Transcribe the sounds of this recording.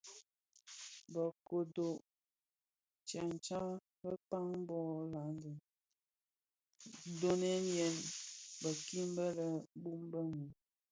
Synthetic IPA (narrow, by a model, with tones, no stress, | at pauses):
bə˨ko˨do˨ʔ | t͡ʃa˨n˨t͡ʃa˦ | bə˦pa˦ŋ˦bɔ˦˨la˨˦ndə˨˦ | do˦nɛ˦njɛ˨nbə˨ki˦m˦bə˦lə˨bu˦m˦bə˦ŋu˨